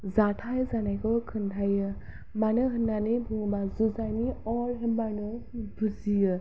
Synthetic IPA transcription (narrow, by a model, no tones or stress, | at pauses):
zatʰajzanajkʰɔkʰɯntʰajɯ | manɯɦɯnːanibʱuŋbazuzaniɔlɦibanɯbʱuzijɯ